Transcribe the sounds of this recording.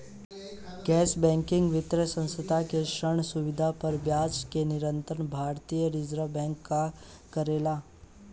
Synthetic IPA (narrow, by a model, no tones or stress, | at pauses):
ɡɛːsbɛ̃ːŋkɪ̃ŋɡʋɪt̪ɾəsə̃nsəd̪ʱakeʃəɳ̃suʋɪd̪ʱapəɾʋjaːd͡ʒkenɪɾə̃nt̪əɳbʱaːɾt̪ijəɾid͡ʒɾəbɛ̃ːŋkːa | kəɾeːlaː